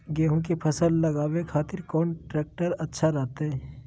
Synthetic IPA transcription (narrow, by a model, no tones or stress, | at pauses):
ɡeːɦõkepʰɐsəlːɐɡaːwekʰaːt̪ɪɾkɔːnʈɾeːk̚ʈəɾɐtːʃʰaɾɛɦt̪eɦɛː